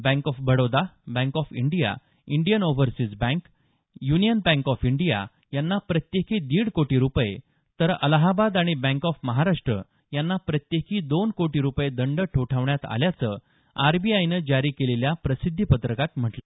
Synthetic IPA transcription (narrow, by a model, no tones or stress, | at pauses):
bæ̃ŋkɔfbəɽod̪abɛ̃ŋkɔfiɳɖija̰ | iɳɖijənoʋəɾsid͡zbæ̃ŋk | junijənbæ̃ŋkɔfiɳɖija̰ | janːapɾət̪jekʰiːd̪iːɽkoʈiːɾupjḛ | t̪əɾə̰laɦabad̪aɽ̃ibɛ̃ŋkɔfməɦaɾaʂʈɾə̰ | janːapɾət̪jekʰiːd̪onkoʈiːɾupjed̪əɳɖəʈʰoʈʰaʋɳjat̪a̰ljat͡sə | aɾbiajnəd͡ʑaɾiːkeleljapɾəsid̪ʱːipət̪ɾəkat̪m̤əʈlə